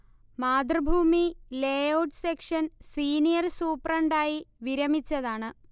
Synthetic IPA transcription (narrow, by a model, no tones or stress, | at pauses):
maːd̪rɨbʱuːmileːoʈsekʂɐnsiːnijɐrsuːprɐɳɖaːjiʋiɾɐmit͡ɕːɐðaːɳɨ